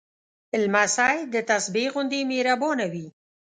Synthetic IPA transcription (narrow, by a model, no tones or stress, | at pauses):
ɪlmasajd̪ət̪asbeɣʊnd̪imeɾabonawi